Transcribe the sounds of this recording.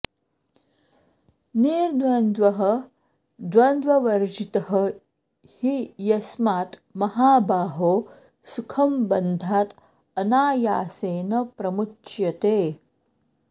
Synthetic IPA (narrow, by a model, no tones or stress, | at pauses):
niːɾd̪ʋɐnd̪ʋɐɦɐ | d̪ʋɐnd̪ʋɐʋɐɾd͡ʒit̪ɐɦɐ | hijɐsmaːt̪mɐɦaːbaːɦoː | sukʰɐmbɐnd̪ʱaːt̪ | ɐnaːjaːseːnɐpɾɐmut͡ʃjɐt̪eː